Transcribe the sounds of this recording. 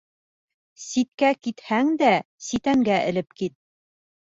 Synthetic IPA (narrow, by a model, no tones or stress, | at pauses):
sit̪̚kækit̪hæŋd̪æ | sit̪æŋɡæʔɘ̰̆lɘpkit̪̚